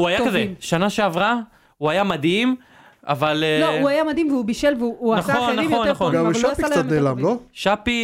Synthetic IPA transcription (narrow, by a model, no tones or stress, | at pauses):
uajakkazeʃanaʃeavʁa | uajamad̪im | a̰valluajamad̪imveubiʃelveuuanaχonːaχonːaaχonaʃasianelamloʃapi